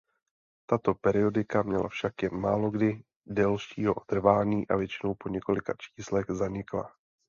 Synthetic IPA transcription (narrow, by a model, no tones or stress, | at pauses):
t̪at̪o̞pɛɾɪo̞dɪkamɲɛla̰fʃakjɛnmaːlo̞ɡdɪ | dɛlʃiːɦoʔot̪r̩vaːɲiːʔa̰vjɛt͡ʃɪno̞wpo̞ɲɛko̞lɪkat͡ʃi̥ːslɛɣzaɲɪkla̰